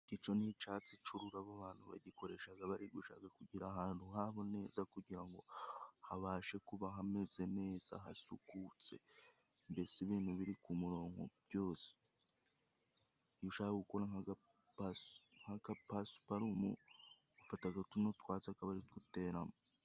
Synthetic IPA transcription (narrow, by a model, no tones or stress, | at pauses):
kit͡ʃo̞nit͡ʃaːt͡sit͡ʃuɾuɾaβaβaːn̥huβa̰ɟiko̞ɾe̞ʃaɡaβaɾiɡuʃa̰kakuɟiɾaɦaːnthuɦaβo̞ne̞ːzakuɟiɾaŋɡo̞haβaːʃe̞kuβaɦame̞ze̞ne̞ːz̥a̰ɦa̰sukut͡se̞̰ | mbesiβiːn̥huβiɾikumuɾo̞ːŋɡo̞̰bjo̞ːse̥ | juʃakaɡukoɾaŋaɡa | pasŋ̥hakapasu̥paɾumṵ | afataɡatuno̞twaːt͡sakaβaɾitɡute̞ːɾamo